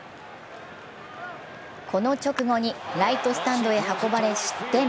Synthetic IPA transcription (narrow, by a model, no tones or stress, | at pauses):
kʰo̞no̞t͡ɕo̞kɯ̟ɡo̞ɲ̟iɾait̪o̞sɨ̥t̪ãnd̪o̞e̞ɦako̞baɾe̞ɕi̥t̪e